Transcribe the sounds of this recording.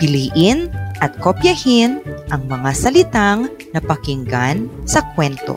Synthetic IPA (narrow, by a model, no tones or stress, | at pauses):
pɪliːʔɪnʔɐt̪̚kopjɐhɪnʔɐŋmɐŋasɐlɪt̪aŋ | nɐpɐkɪŋɡansɐkwɛnt̪o̰